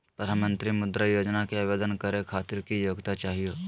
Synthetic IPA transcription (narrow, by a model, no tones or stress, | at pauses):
pɐɾamə̃nt̪ɾimʊd̪ɾəjoːd͡ʒnakeaʋeːd̪ənkɐɾekʰaːt̪ɪɾkijoːɡt̪at͡ʃaːɦijoː